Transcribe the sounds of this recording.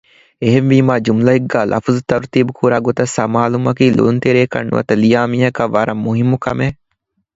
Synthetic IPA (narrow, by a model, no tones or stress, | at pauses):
eɦenʋiːmaːd͡ʒumlɐɦiɡːaːlʔɐ̰fuzut̪ɐɾut̪iːbukʰuːɾaːɡot̪ɐsɐmaːlumɐkiːlo̰ːnt̪eɾeːkɐ̰nːṵʋɐ̰t̪ɐlijaːmiːɦɐkɐʋɐɾɐmːuɦimːukɐ̰meː